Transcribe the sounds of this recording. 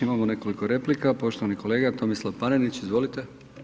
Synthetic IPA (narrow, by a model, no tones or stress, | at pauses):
imamone̞ko̞liko̞ɾe̞plikapo̞ʃt̪oʋaniko̞leːɡat̪o̞mislˠaʋpanenit͡ɕizʋo̞lit̪e